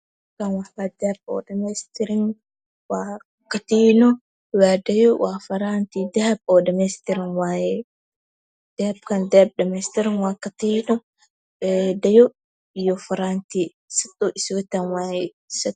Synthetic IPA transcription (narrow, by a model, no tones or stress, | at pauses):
kanwaħwad̪ɛhb̚ɔ̰ːdɐmɛst̪ɪɾɪŋ | waː | kɐt̪iːnɔ | waːdɐjɔwʔaːfɐɾaːnt̪id̪ɛhɐb̚ɔːdɐmɛst̪ɪɾɪŋwaːjɛ | d̪̥ɛhɐb̚kand̪ɛhb̚dɐmɛst̪ɪɾɪŋwaːkat̪inɔ | ɛdɐjɔ | ɪjɔfɐɾaːnt̪i | sɐt̪ʼːɔʔɪswɛt̪anwaːjɛ | sɐ